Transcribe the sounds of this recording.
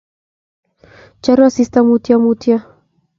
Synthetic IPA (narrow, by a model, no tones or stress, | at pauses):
t͡ʃaɾuasist̪amut̪jamut̪ja